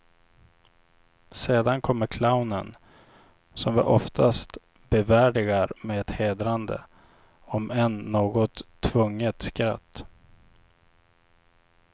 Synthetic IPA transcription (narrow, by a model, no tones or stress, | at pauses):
seːd̪ankʰɔmːəɾkʰlaʊnən | sɔmvɪ̰ʔɔft̪ʰast̪ | bɛvæːɖɪɡaɾmɛɛt̪heːd̪ɾand̪ə̰ | ɔmɛnːoːɡɔt̪ʰːvɵŋːət̪skɾa̰t̪ː